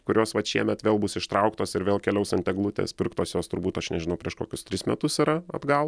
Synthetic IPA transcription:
kʊɾʲoːsʋɐt̪ʃʲiɛmʲɛt̪ʋʲeːlˠbʊsɪʃt̪ɾɐʊkt̪oːsɪɾʋʲeːlˠkʲɛlʲɛʊsɐnʲt̪ʲɛɡlˠʊt̪ʲḛːspʲɪrkt̪oːsjoːst̪ʊɾbuːt̪ɐʃnʲɛʒʲɪnɐʊpʲɾʲiɛʃkoːkʲʊst̪ʲɾʲɪsmʲɛt̪ʊsiɾɐɐ̰d̪ɡɐlˠ

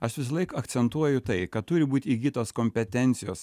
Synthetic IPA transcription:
ɐʃʋʲɪsɐlˠɐɪkɐkt̪sʲɛnt̪uɔjʊt̪ɐɪkɐt̪t̪ʊɾʲɪbuːt̪ʲiːɡʲiːt̪oːskoːmʲpʲɛt̪ʲɛnʲt̪sʲɪjo̰ːs

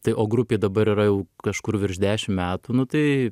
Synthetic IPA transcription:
t̪ɐɪʔoːɡɾʊpʲeːd̪ɐbɐɾiːɾɐjɛʊkɐʃkʊɾʋʲɪɾʒd̪ʲæːʃʲɪmmʲæːt̪unʊt̪ɐɪ

